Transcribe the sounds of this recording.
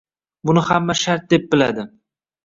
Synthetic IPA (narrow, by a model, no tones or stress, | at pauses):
bʊnɪhamːaʃaɾt̪̚d̪e̞p̚bɪlad̪ɪ